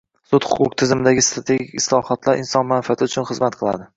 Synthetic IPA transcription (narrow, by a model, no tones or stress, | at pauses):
sʊt̪hʊqʰʊqt̪ʰɪzɪmɪd̪aɡʲɪst̪ɾat̪ʰe̞ɡʲikʲɪslˠɒhɒt̪laɾʔɪnsɒnmanfiat̪ʰɪʊt͡ʃʰʊnχɨzmat̪qʰɨlˠa̰d̪ɪ